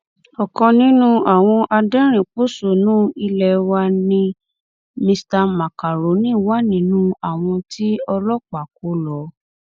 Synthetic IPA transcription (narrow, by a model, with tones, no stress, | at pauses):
ɔ˨kɔ̃˧nĩ˨˦nũ˦a˨w̃ɔ̃˧ʔa˧dɛ̃˦ɾ̃ĩ˨k͡po˦so˨nũː˦i˧lɛ˧wa˧nĩ˧ | mĩ˧sta˧ma˨ka˨ɾo˨˦nĩ˦˨wa˦nĩ˨˦nũ˦a˨w̃ɔ̃˧tʰi˦ɔ˧lɔ˦k͡pa˨k̚o˨˦lɔ˨˦